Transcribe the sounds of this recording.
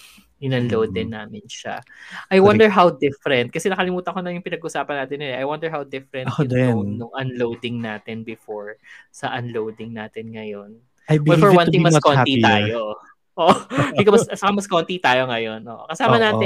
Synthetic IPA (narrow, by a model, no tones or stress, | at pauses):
ɪnɐnloːd̪ɛnːaːmɪnʃa̰ʔɐjwɐ̃nd̪ɛɹɦawd̪ɪfɾɛnt̪̚kɐsɛnɐkɐlɪmuːt̪ɐɐkonɐjʊŋpɪnɐɡʊʔʊsaːpɐnːaːt̪ɪnːɪlɛʔɐjwɐnd̪ɛɹɦawd̪ɪfɹɛnʊd̪oŋnoŋʔɐnlowd̪ɪŋnaːt̪ɪnbɪfoɹsɐʔɐnlowd̪ɪŋnaːt̪ɪnŋɐjon | jbɛlfɔɹwɐnɪŋŋmɐskonit̪aːjo | ʔoʔbɪkomɐst͡ʃɐkɐmɐskont̪it̪aːjoŋɐjonʔo̰ːʔokɐsaːmɐnaːɪ